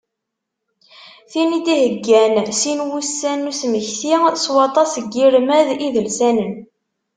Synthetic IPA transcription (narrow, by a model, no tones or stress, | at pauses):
θinid̪ihəɡːænsinwusːænːusməçθiswɑt̪ˤɑsəɡːiɾmæðiðəlsænən